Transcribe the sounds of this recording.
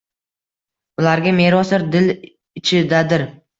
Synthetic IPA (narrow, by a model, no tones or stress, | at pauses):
ʊlaɾɡʲame̞ɾɒsɪɾd̪ɪl | ɪt͡ʃʰɪd̪ad̪ɪɾ